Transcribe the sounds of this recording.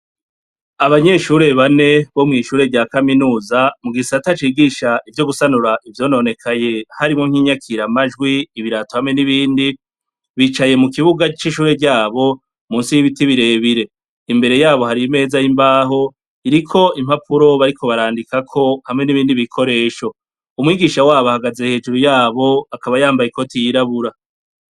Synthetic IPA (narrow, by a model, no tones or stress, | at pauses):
aβaɲe̞ʃuːɾe̞βane̞βo̞mŋiːʃuːɾe̞ɟaːkaminuːzamuɡisatat͡ʃiɡiʃaʔivjo̞ɡusanuɾaʔivjo̞ːnone̞kʰaje̞haɾimŋoŋ̥hiːɲakʰiɾamaʒɡwiːβiɾatohamŋe̞niβiːndi | βiːt͡ʃaje̞mukiβuɡat͡ʃiʃuːɾe̞ɟaːβo̞ | muːnsijiβitiβiɾe̞ːβiɾe̞ | imbe̞ɾe̞jaːβo̞haɾime̞ːzajimbaːɦo̞ | iɾikʰo̞im̥hapʰuɾo̞βaɾikʰo̞βaɾaːndikakʰo̞hamŋe̞niβiːndiβikʰo̞ɾe̞ːʃo̞ | umwiːɡiːʃawaːβahaɡaze̞he̞ːd͡ʒuɾujaːβo̞akaβajaːmbajeko̞tijiɾaβuɾa